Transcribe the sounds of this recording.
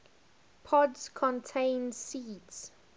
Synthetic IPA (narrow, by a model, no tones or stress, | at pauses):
pʰɔdskʰɔ̃ntʰẽɪnsiːts